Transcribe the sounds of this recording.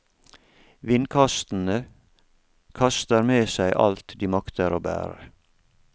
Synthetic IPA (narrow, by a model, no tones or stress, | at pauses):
ʋɪnkʰɑst̪n̩ə | kʰɑst̪əɾmeːsæɪʔɑ̰lt̪d̪iːmɑkt̪ʰəɾoːbæ̰ːɾə̰